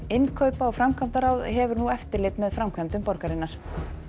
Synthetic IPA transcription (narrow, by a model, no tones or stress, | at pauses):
ɪnkʰœɥpaɔɣfɾamkʰvamt̪aɾaːwðɦɛvʏɾnuɛft̪ɪɾlɪt̪mɛðfɾamkʰvɛmt̪ʏmpɔɾkaɾɪnːaɾ̥